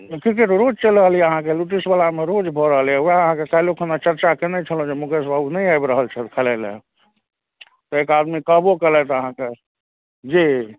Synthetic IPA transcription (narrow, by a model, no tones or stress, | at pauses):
kɾik̬eʈɾod͡ʒt͡ʃeləɦəlijɛəɦãkeluʈ̬isbəlameɾod͡ʒbʱɔɾəɦəljɛuaəɦãkekailokʰənat͡ʃəɾt͡ʃakenɛt͡ʃʰəlõd͡ʒemũkes̬bʱabnəjajbɾəɦəlt͡ʃʰɛt̪kʰəlelḛ | t̪ɔekad̪mikəbokəlɛt̪əɦãke | d͡ʒi